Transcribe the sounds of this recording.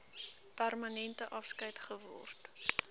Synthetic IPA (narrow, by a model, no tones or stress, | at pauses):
pærmɐnɛntəʔɐfskəjtχəvɔ̰rt